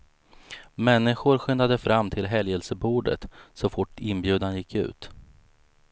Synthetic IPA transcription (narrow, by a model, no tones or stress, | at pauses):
mɛnːɪɧʊɾɧʏnd̪ad̪əfɾamːt̪ʰɪlɦɛljɛlsəbuːɖə̰t̪sɔfʊʈːɪnbjʉ̟ːd̪anjɪkʰːʉ̟̰ːt̪